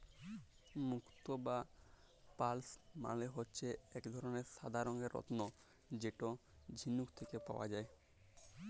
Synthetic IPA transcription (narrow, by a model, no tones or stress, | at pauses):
mukt̪oba | palsma̰leɦotːɕʰeɛkd̪ʱɔɾoneɾʃad̪ʱaɾoŋɡeɾːɔ̰t̪no | d͡ʑeʈo | d͡ʑʱinːukt̪ʰekepa̰oa̰d͡ʑae